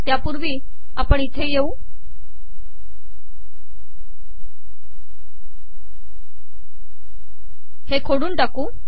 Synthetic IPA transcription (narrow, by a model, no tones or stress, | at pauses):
t̪japuɾʋiː | apəɳit̪ʰejeuː | hekʰoɽuːnʈakuː